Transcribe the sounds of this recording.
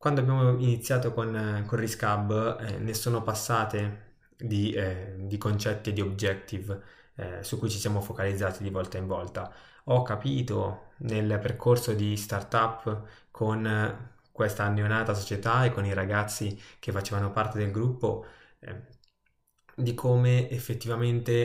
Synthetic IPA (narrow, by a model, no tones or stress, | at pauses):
kwand̪oabjaːmoinit̪sːjaːt̪okonkonriskabːnesoːnopasːaːt̪e | d̪id̪ikont͡ʃɛt̪ːid̪iobd͡ʒɛt̪ːiv | sukːujt͡ʃisjaːmofokalid̪zːaːt̪id̪ivɔlt̪aiɱvɔlt̪a | ɔkːapiːt̪onelperkʰorsod̪ist̪art̪apː | kʰon | kwest̪aːnːeonaːt̪as̬ot͡ʃet̪aekːoniɾaɡat̪sːik̟efːat͡ʃeːvanopart̪ed̪elɡɾupːo | d̪ikʰoːmeːfːet̪ːivament̪e